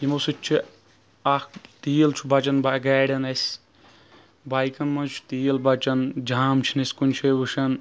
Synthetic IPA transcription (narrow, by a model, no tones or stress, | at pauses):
jimosɨt͡ʃʰi | akt̪iːlt͡ʃʰubɐt͡ʃɐnbaɡaːɖʲɐnɐsʲ | bajkɐnmɐt͡ʃʰu̥t̪iːlbɐt͡ʃɐnd͡ʒaːmt͡ʃʰinɐsʲkunʲt͡ʃʰeʋuʃɐn